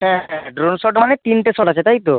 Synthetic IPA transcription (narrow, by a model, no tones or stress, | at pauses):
ɦɛ̃ɦɛ̃ɖɾonsɔʈmanet̪inʈesɔʈat͡ɕʰet̪aɦjt̪o